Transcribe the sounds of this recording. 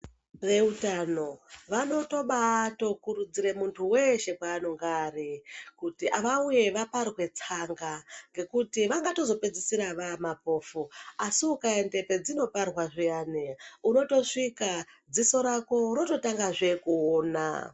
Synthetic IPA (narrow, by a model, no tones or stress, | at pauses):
re̞utano̞ʋano̞to̞ɓato̞kuɾud͡ziɾe̞muntʰuwe̞ʃe̞kwaːno̞ŋɡaːɾikutiʔaʋauje̞ʋaparwe̞t͡saŋɡaŋɡe̞kutiʋaŋɡato̞zo̞pe̞d͡zisiɾaʋamapo̞ːfuasiukaende̞pe̞d͡zino̞parwaʐijaːneuno̞to̞ʂikad͡ziso̞ɾako̞ɾo̞to̞taŋɡaʐe̞kuoːna̰